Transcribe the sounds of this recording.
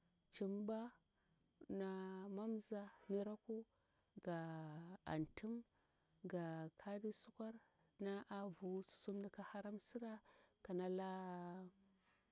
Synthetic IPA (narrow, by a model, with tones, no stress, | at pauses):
t͡ʃi˦mba˦ | na˨ma˦mza˦ni˦ɾa˦ku˦ | ɡa˨a̰˨ntu˦m | ɡa˨kʰa˦di˦su˦kʷa˦ɾ | na˦ʔa˦vu˨˦su̥˨su˦mdi˨ka˦ha˦ɾa˦msi˦ɾa˦ka˨na˦la˦